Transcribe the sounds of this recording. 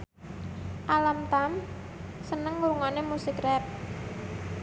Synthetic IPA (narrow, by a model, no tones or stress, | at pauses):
ʔalamt̪am | sənəŋuɾuŋanemusikrɛp̚